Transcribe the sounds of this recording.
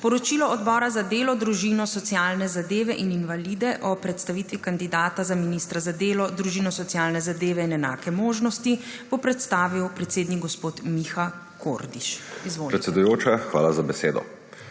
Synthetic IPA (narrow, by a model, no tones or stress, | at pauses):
spɔɾɔt͡ʃilɔɔd̪bɔːɾazad̪eːlɔd̪ɾuʒinɔsɔt̪siaːlnɛzad̪eːʋɛʔininʋalid̪ɛʔɔpɾɛt̪st̪aʋiːt̪ʋikand̪id̪aːt̪azaminist̪ɾazad̪eːlɔd̪ɾuʒinɔsɔt̪sjaːlnɛzad̪eːʋɛinɛna̰ːkɛmoːʒnɔst̪i | b̥opɾɛt̪st̪aːʋiwpɾɛt̪seːd̪niɡɡɔspoːt̪mixa | ko̰ɾd̪iʃizʋoːpɾɛt̪sɛd̪ujoːt͡ʃaxʋa̰ːlazabɛseːd̪ɔ̰